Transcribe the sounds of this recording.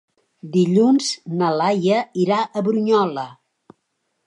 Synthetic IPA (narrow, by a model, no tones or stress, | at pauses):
d̪iʎunznəlajəiɾaʔəβɾuɲɔlə